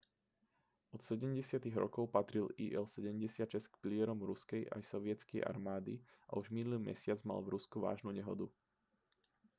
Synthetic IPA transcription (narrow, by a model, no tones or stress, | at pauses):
ʔɔt̪sɛɟɛmɟɛsɪat̪iɣɾɔ̰kɔʊpat̪ɾiliːʔɛlsɛɟɛmɟɛsɪat̪ʃɛskpilɪɛɾɔmɾuskɛjʔa̰jsɔʋɪɛt͡skɛjʔa̰ɾmaːd̪iʔa̰uʒminulimɛ̰sɪad͡zma̰lvɾuskuʋa̰ːʒnuːɲɛɦɔ̰d̪u